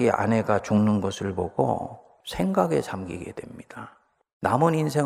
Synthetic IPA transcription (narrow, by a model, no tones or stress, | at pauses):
ia̰ne̞ɡat͡ɕuŋnɯnɡʌsʰɯɭboɡo̰ | sʰe̞ŋɡaɡe̞t͡ɕamɡiɡe̞̰dwe̞mɲid̥a | namʌninsʰe̞